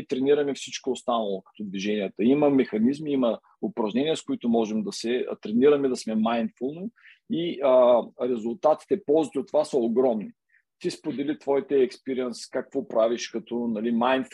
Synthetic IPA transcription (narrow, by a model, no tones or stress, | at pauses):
t̪ɾɛniɾəmɛfsit͡ʃkoost̪anəlˠokə̥t̪od̪viʒɛniət̪əimɐmɛxɐnizmiimə | ʊpɾɐʒnɛniəskʊit̪ʊmɔʒɛmd̪ɐsɛ̰t̪ɾɛniɾəmɛd̪ɐsmɛmajnt̪folˠno | iəɾɛzʊlˠt̪at̪i̥t̪ɛpɔlˠzit̪ʲiot̪ːvasəoɡɾɔmni | t̪ispod̪ɛlit̪vɔjt̪ɛɛkspiɾiɛnskakvɔpɾaviʃkɐt̪ɔnɐlimajnt̪f